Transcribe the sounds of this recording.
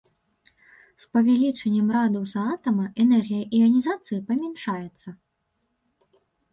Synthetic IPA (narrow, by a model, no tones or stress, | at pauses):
spɐvʲalʲit͡ʂɐnʲːɐmɾad̪ɐwsɐat̪ɐmɐʔɛnɛrɣʲijɐʔiɐnʲizat̪sɨjipɐmʲɛnʂajɛt̪sːɐ